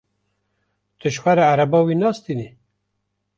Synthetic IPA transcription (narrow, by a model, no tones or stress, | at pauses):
t̪ɨʃwaɾaaɾabɑwinɑːst̪ini